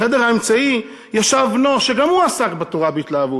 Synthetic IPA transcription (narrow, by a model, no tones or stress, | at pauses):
edeʁhaemt͡sai | jaʃavnoʃeɡamuasakbetoʁabeit̪laːvu